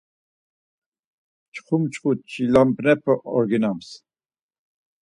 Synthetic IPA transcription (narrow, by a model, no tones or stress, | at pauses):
t͡ʃχʰumt͡ʃʼqʼut͡ʃʰʼilampnɛpʰəʔɔɾɡinams